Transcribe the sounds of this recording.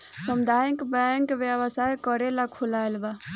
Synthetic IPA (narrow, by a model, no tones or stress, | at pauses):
səmd̪ʱajəkbɛŋkbjəβəsajkəɾelakʰulaelba